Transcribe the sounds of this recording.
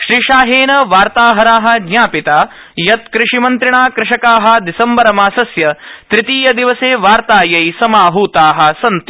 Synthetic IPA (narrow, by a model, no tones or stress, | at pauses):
ʃɾiːʃaːɦeːnɐʋaːɾt̪aːɦɐɾaːɦɐ̆ɡɲaːpit̪aː | jɐt̪̚kɾɪʂimɐnt̪ɾiɳaːkɾɪʃɐkaːɦɐ̆d̪isɐmbɐɾɐmaːsɐsjɐt̪ɾɪt̪iːjɐd̪iʋɐseːʋaːɾt̪aːjɐjsɐmaːɦuːt̪aːɦɐ̆sɐnt̪